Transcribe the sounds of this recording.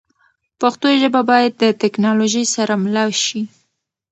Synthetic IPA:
paxt̪oʒəbabɑjad̪̚ːət̪ɪknɑloʒəjsaɾamlɑwʃi

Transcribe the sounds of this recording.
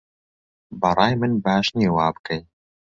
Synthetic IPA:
bɐɾˤɑːjmɨnbaːʃneːwɑːbɨ̥kɛj

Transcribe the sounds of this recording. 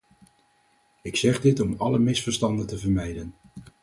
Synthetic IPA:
ɪksɛχdɪtɔmɑləmɪsfəɹstɑndəntəvəɹmɛjdən

